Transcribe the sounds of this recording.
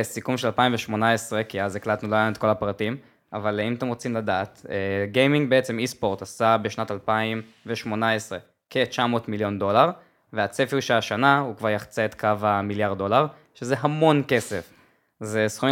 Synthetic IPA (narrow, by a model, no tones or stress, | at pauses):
sikumʃelalpaimveʃmo̞naesʁe̞kiazeklatnuloajomet̪̚ko̞lapʁatim | avalimat̪emʁot͡simladaːt̪eɡejmiŋɡ̚beet͡se̞mispo̞ʁt̪asabeʃnatalpaim | veʃmo̞naesʁe | kʰe̞t͡ʃamo̞ːtmiljo̞ndo̞laʁ | veat͡sefiʃeaʃanahukvaʁjaχt͡seet̪kavamiljaʁdo̞laʁ | ʃezeɦamo̞nke̞sef | zesχu